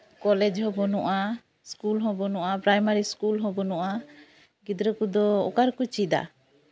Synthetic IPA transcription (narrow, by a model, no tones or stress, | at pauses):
kɔlɛd͡ʒɦɔbɔnuʔa | skulɦɔbɔnuʔapɾajmaɾiskulɦɔbɔnɔʔa | ɡid̪ɾəkud̪ɔɔ̰kaɾkut͡ʃid̪a̰